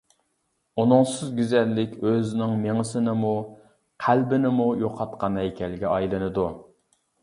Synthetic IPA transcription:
unʊŋsɨzɡʲyzɛnlːɪkʲʰøznɪŋmeŋɨsɪnɪmu | qʰælbɪnɪmujoqʰɑt̪̚qʰɑnhɛjkʲʰɛlɡʲɛɑjlˠɨnɨd̪u

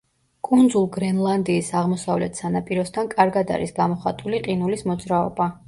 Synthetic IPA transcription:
kʼund̪zulˠɡɾɛnlˠand̪iːsaʁmɔsavlɛt̪ʰsanapʼiɾɔsd̪ʰankʼaɾɡad̪a̰ɾisɡamɔχat̪ʼuliqʼinulismɔd̪zɾaɔ̰ba

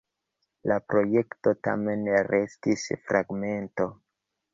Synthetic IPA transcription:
lapɾo̞je̞kto̞ta̰me̞nɾe̞stisfɾaɡme̞nto̞

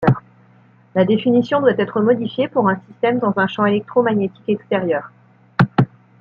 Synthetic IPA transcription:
ʁ | lad̪efinisjɔ̃d̪wat̪ɛt̪χəmɔd̪ifjepuʁɛ̃sist̪ɛmd̪ɑ̃zɛ̃ʃɑ̃elɛk̚t̪χomaɲjet̪i̥kɛkst̪eʁjœːʁ

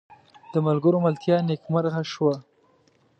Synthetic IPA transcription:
d̪̥əmalɡəɾomɪlt̪jɑnekmaɾɣaʃwa

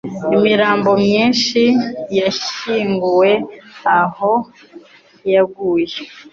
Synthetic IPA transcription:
imiɾaːmbo̞mɲiːnʃijaʃiːŋɡuwe̞aho̞ | jaɡuːje

